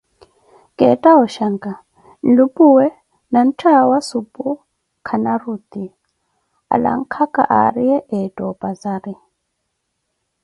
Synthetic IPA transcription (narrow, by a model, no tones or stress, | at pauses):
kʼɛtʼaɔʃaŋkʼa | n̩lupʼuwɛ | nan̩tʰawasupʼu | kʰanarut̪i | a̰la̰ŋkʰakʼa̰ʔa̰ɾijɛʔɛdʼɔpʼazaɾi